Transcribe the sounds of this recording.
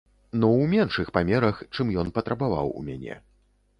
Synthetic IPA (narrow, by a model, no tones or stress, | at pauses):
nɔwmʲɛnʂɨxpamʲɛɾɐxt͡ʂɨmjɔnpɐt̪ɾɐbava̰wṵmʲa̰nʲɛ̰